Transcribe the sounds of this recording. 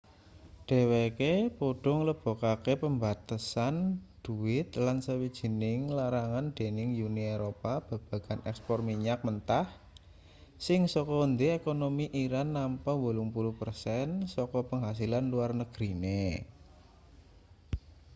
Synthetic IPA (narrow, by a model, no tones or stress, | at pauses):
ɖ̥e̤wekepoɖ̥ɔ̤ŋləb̥ɔ̤kakepəmbat̪asanɖ̪̥uwɪt̪lansəwid̥ʒ̥i̤nɪŋlaɾaŋanɖ̪̥e̤nɪŋjunieɾopab̥a̤b̥ä̤ɡ̥a̤nʔɛkspɔrmiɲak̚mənt̪ah | sɪŋsɔkɔnd̪eekonomiʔiɾanːampəbolʊŋpuluhpərsɛnsɔkɔpəŋɦas̬ilanluarnəɡ̥ɾine